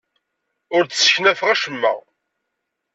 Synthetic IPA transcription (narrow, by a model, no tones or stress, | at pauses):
ʊɾt͡ssçnæfʁæʃəmːæ̰